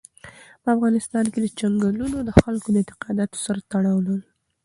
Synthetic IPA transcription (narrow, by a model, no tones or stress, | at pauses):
pəafɣɑnɪst̪ɑnked̪ət͡ʃaŋɡalunod̪əxalkod̪əɪnt̪ɪ̥qɑd̪ɑt̪o̥saɾat̪aɽɑwləl